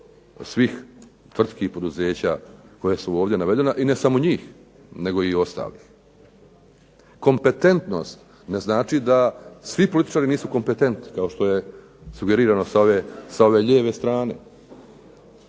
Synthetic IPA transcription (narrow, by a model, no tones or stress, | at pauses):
sʋix | t̪ʋr̩t̪kihpo̞d̪uze̞ːt͡ɕaːko̞jesuo̞ːʋd̪je̞naʋe̞d̪e̞naʔine̞samo̞ɲiːx | ne̞ɡo̞io̞st̪a̰ːlix | ko̞mpe̞t̪e̞nt̪no̞̰st̪ | ne̞znaːt͡ʃid̪asʋipo̞lit̪i̥t͡ʃaːɾiniːsuko̞mpe̞t̪e̞nt̪ni̥kao̞ʃt̪oje̞ | suɡe̞ɾiːɾano̞saoʋesao̞ʋe̞ʎeːʋest̪ɾaːne̞̰